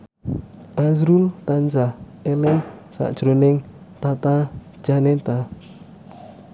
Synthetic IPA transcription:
ʔazɾult̪ant͡ʃah | elɪŋsa̰ʔd̥ʒ̥ɾonɪŋt̪at̪ḁ | ʒ̥anet̪a

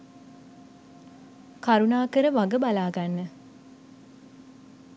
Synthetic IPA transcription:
kaɾunaːkəɾəʋaɡəbalaːɡanːə

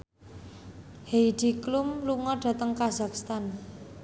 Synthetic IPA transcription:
hejd̥iklumluŋɔɖ̥ä̤t̪əŋkazakst̪an

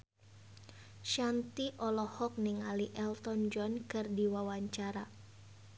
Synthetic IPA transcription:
ʃant̪iʔɔlɔhɔk̚nɪŋaliʔɛlt̪ɔnd͡ʒɔnkɨrdiwawaɲt͡ʃaɾa

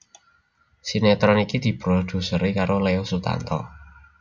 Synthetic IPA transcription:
sinɛt̪ɾɔnikid̪̥i̤b̥ɾod̪̥ṳsəɾekaɾoleosut̪a̰nt̪ɔ̰

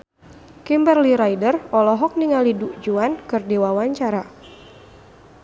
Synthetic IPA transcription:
kimbərliɾajdərɔlɔɦɔk̚niŋaliduʔd͡ʒuankɨrdiwawaɲt͡ʃaɾa

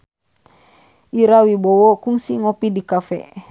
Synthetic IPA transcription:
iɾawibowokuŋsiŋopidikafɛ̰

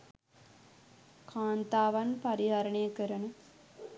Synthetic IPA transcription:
kʰaːnt̪aːʋɐnpɐɾiɦɐɾəɳejəkəɾənə

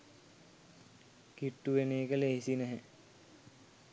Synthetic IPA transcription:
kiʈːuʋeneːkəleɦisinɛɦɛ

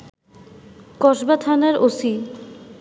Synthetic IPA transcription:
kɔʃbat̪ʰanaɾosi

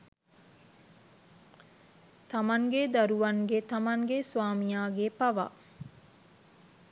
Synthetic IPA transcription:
t̪amaŋɡed̪aɾuʋaŋɡet̪amaŋɡesʋaːmijaːɡepaʋa̰

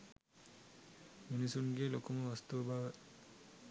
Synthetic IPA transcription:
minisuŋɡelokuməʋast̪uʋɐbaːʋə

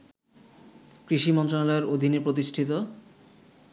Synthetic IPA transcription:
kɾiʃimɔnt̪ɾonalɔeɾod̪ʱineɾpɾot̪̬iʃʈʰit̪o

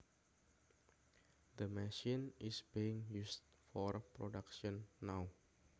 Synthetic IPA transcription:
d̪əmɛʃinisbiiŋjust̚ | fɔrpɾodakʃɔnːaw

